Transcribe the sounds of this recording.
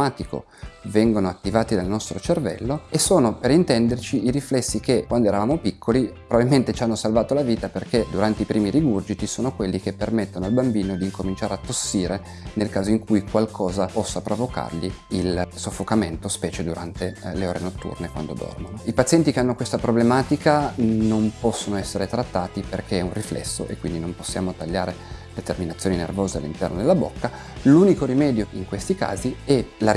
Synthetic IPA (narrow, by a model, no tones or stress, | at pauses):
maːt̪iko̰ | vɛŋɡonoat̪ːivaːt̪id̪alnɔst̪ɾot͡ʃervɛ̰lːoesoːnopeɾint̪ɛnd̪ert͡ʃiiɾiflɛsːikekwand̪oeɾavaːmopikʰːolipɾovbavilment̪et͡ʃianːosalvaːt̪olaviːt̪aperked̪uɾant̪eipɾʔiːmiliɡurd͡ʒit̪isoːnokwelːik̟epːermet̪ːonoalbambiːnod̪iːŋkomint͡ʃaːɾeat̪ːosːiːɾe | nelkaːzoiŋkujkwalkʰɔːzapɔsːapɾovoka̰rʎiilsofːokament̪ospɛːt͡ʃed̪uɾant̪eleoːɾenot̪ːṵrnekwa̰nd̪od̪ɔ̰rmonoipat̪sjɛnt̪ikeanːokwest̪apɾoblemaːt̪ikanompɔsːonoɛsːeɾet̪ɾat̪ːaːt̪iperkeɛunriflɛ̰sːo̰ʔḛkːwind̪inomposːja̰ːmot̪aʎːaːɾelet̪erminat̪sːjoːninervoːzealːḭnt̪ɛ̰rnod̪elːabo̰kːa | luːnikoɾimɛːd̪joiŋkwest̪ika̰ːziɛla